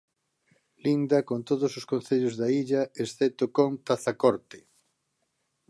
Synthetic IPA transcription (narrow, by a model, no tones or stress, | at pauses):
lind̪ɐkont̪oð̞ososkõnθeʎʊzðaiʎɐesθet̪okoŋt̪aθakoɾt̪ɪ̥